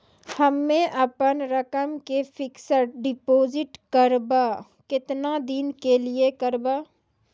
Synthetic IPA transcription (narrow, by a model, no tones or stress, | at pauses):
hɐmːẽʔɐpənɾɐkəmkefʰɪksəɾɖɪpoːzɪʈkəɾbaː | kɪt̪nad̪inkeliekɐɾbaː